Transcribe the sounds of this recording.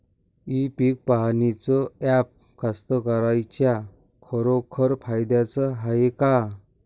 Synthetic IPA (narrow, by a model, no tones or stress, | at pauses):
ipik̚paɦnit͡sɔɛp̚ | kast̪əkəɾajt͡ɕja | kʰəɾokʰəɾpʰajd̪jat͡səɦajeka